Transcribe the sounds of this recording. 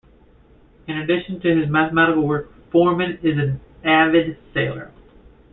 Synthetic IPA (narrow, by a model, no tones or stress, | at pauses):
ɨ̃nɨdɪʃn̩tʰɨɪzmæθəmæɾəkl̩ˠwɜ˞k | fɔɹmɨ̃nɪzɨ̃nævɨdseɪlˠə̰˞